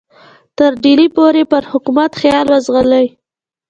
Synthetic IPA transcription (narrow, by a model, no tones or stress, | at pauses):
t̪əɾɖilipoɾepəɾhʊkumat̪xjɑlwazɣələj